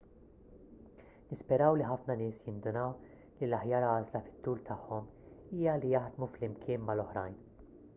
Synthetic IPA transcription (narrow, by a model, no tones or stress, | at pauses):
nɪspɛɾɐwliħɐfnɐnɪːsjɪnd̪ʊnɐw | lilɐħjɐːɾɐːzlɐfɪ̥t̪ːuːlt̪ʰɐħːɔmiːjɐlijɐħd̪muflɪmkʰɪːnmɐlɔħɾɐjn